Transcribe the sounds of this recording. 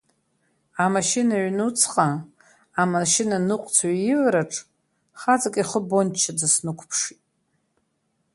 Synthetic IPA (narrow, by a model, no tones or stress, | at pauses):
amaʃinaɥnut͡sʰqʼaː | maʃinanɨqʷʼt͡sʰɥajilɾaʈ͡ʂʼ | χad͡zʼakʼiχəbo̞nt͡ʃʰːad͡zasnɨkʷʰpʰʂitʼ